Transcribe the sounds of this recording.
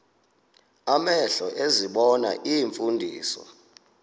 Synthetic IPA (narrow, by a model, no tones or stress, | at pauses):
amɛɬɔʔeziɓɔna̰ʔijɱfundʱḭːsɔ̰